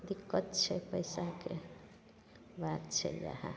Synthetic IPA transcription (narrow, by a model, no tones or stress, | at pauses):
d̪ikːət̪t͡ʃʰepəjsake | bat̪t͡ʃʰḛja̰ɦa̰